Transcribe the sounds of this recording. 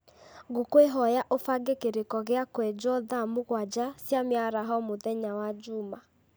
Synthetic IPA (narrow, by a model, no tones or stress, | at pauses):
ɡokweɦɔjaʔofaɡekeɾekɔɣeakwɛd͡ʒɔðamoɣwad͡ʒasjamjaɾaɦɔmoðɛɲawad͡ʒuma